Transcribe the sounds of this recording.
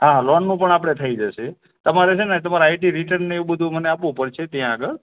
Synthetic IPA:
ɦãlɔnːũpəɳapəɽ̃et̪ʰəid͡ʒəʃe | t̪əmaɾet͡ʃʰenet̪əmaɾaaiʈiɾiʈəɾnːeeʋũbəd̪ʱũməneapʋũpəɾt͡ʃʰet̪jãɡəɾ

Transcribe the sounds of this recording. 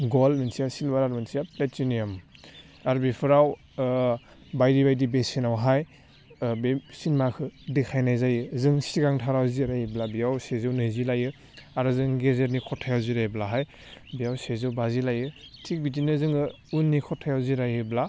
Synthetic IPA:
ɡɔlminsijasilbaɾaɾminsijaplet̚t͡ʃinijam | aɾbipʰɯɾaw | bajdibajdibesinawɦaj | besinmakʰɯdikʰajnajzajɯzɯŋsiɡaŋtʰaɾawziɾajɯblabijawsezɯwnɯzilajɯ | aɾɯzɯŋɡezeɾnikʰɔtʰajawziɾajblaɦaj | bijawsezɯwbazilajɯtʰik̚bit̬inɯzɯŋɯ | unːikʰɔtʰːajawziɾajɯbla

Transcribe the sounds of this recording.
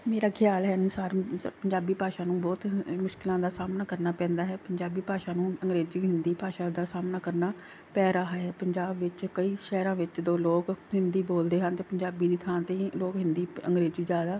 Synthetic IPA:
meːɾaːkʰɪjaːlɦɛːɪnʊsaːɾpəɲd͡ʒaːbiːpaːʃaːnũːbɔːt̪mʊʃkɪlãːd̪aːsaːmnaːkəɾnaːpɛ̃ːnd̪aːɦɛːpəɲd͡ʒaːbiːpaːʃaːnũːəŋɡɾeːziːɦɪnd̪iːpaːʃaːd̪aːsaːmnaːkəɾnaː | pɛːɾaːɦaɦɛːpəɲd͡ʒaːbʋɪt͡ʃkəiːʃɛːɾãːʋɪt͡ʃd̪oːloːkɦɪnd̪iːboːld̪eːɦənt̪eːpəɲd͡ʒaːbiːd̪iːt̪ʰãːnt̪eːloːkɦɪnd̪iːə̰ŋɡɾeːziːd͡ʒjaːd̪aː

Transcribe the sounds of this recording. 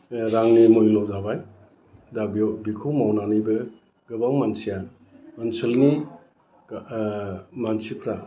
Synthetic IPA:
ɾaŋnimojlɔwzabaj | dabbikʰɯwmawnanibɯ | ɡ̥ɯbawmansija | mənsəlni | mansipʰɾa

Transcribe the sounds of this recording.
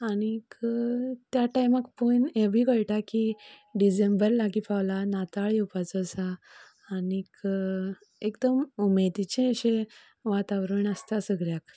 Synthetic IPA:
añik | t̪jaʈajmakpunebʱiːɡəɭʈakiɖid͡ʑẽmbəɾlaɡipawlanat̪aɭjewpat͡səsaː | nik | ekd̪əmumed̪it͡ɕẽəɕẽ | ʋat̪aʋɾəɳəst̪asəɡɭjak

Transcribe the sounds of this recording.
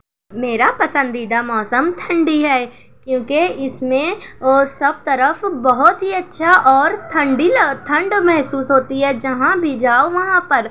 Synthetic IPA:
meːɾapɐsə̃nd̪id̪amɔːsəmt̪ʰɐ̃ɳɖiɦɛː | kjõːkeɪsmẽosɐb̚t̪ɐɾəfbɐɦʊt̪ɦiɐtːʃʰaʔɔːɾt̪ʰɐ̃ɳɖilt̪ʰɐ̃ɳɖmɛɦsuːsɦoːt̪iɦɛd͡ʒɐɦãbʱid͡ʒaːoʋɐɦãpɐɾ

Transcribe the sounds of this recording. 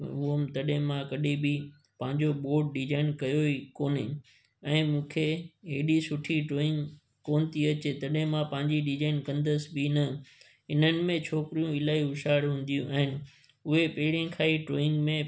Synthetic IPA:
ʊəmt̪ɐɗẽmãkɐɗebɪ | pɐ̃ɦɪ̃ɲd͡ʑoɓoːʈ̚ɖɪd͡ʑaːɪnkɐjoikoːnɪ̰ | ɛ̃ːmũːkʰeɦeːɗisʊʈʰiʈɾoːɪ̃ŋɡ | koːnɪt̪ʰiɐt͡ɕet̪ɐɗɦẽmãpɐ̃ɦɪ̃ɲd͡ʑiɗɪd͡ʑaːɪnkɐ̃nd̪əsbinɐ | ɪn̤ənɪ̆mẽt͡ɕʰoːkɾijũɪlaːiɦʊʃaːɪɽɦũːn̆d̪ijũʔaːɦɪnɪ̆ | ʊɦepɐɦɪɽijẽkʰaːiʈɾoːɪ̃ŋɡmẽ

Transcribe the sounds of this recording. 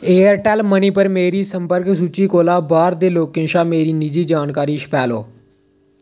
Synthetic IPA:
ejəɾʈaːlmənipəɾmeːɾiːsəmpəɾks̬ut͡ɕiːkoːlabaːɾd̪eːloːkĩnʃameːɾiːnid͡ʑiːd͡ʑaːnkaːɾiːɕpaːlo̰ː

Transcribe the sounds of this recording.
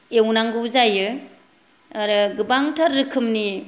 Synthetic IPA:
ewnaŋɡɯwzajɯ | aɾɯɡɯbaŋtʰaɾːɯkʰɯmni

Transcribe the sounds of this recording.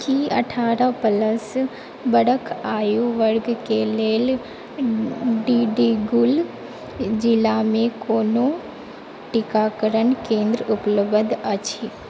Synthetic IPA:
kiɐ̰ʈʰaːɾapələs | bəɽəkʰaːjuʋəɾɡkeleːl | ɖiɖiɡʊl | d͡ʒɪlamẽkoːno | ʈɪkakəɾənkẽːnd̪ɾʊpləbəd̪ət͡ʃʰiː

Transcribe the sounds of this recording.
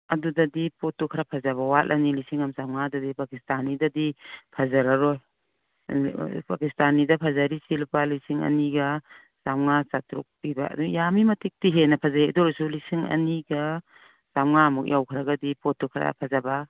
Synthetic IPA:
ɐdudadipotːukʰɾapʰazaβawat̚ʔanilisiŋamsamŋadudipakistanidadipʰazaɾaɾoj | pakistanidapʰazaɾisilpalisiŋɐ̰niɡɐ | samŋasatɾṵk̚piba̰dujamimɐtik̚tiɦenɐpʰazaedɔɾɔsulisiŋɐ̰niɡa | samŋamuk̚jawkʰɾaɡadipotːukʰɾa̰pʰazaba

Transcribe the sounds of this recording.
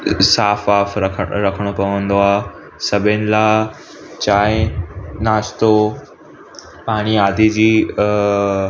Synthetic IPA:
saːfaːfɾɐkʰɾɐkʰəɽ̃opɐʋə̃nd̪oaː | sɐbʱɪnɪ̆laː | t͡ɕaːɦɪ̃naːʃt̪o | paːɽ̃iaːd̪ʱid͡ʑiː

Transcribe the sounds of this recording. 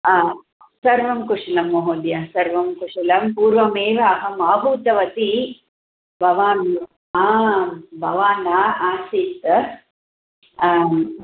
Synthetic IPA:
sɐɾʋɐmkuʂɐlɐmːoɦoːd̪jɐsɐɾʋɐmkuʂɐlɐmpuːɾʋɐmeːʋaːɦɐmaːbʱuːt̪ɐʋɐt̪i | bɐʋaːn | a | bʱɐʋaːnaːaːsit̪

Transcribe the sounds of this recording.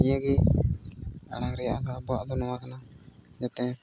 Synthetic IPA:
ijaɡɛ | a̰ɽaŋɾɛjaʔɡabɔaʔd̪ɔnɔwakanad͡ʒat̪ɛ

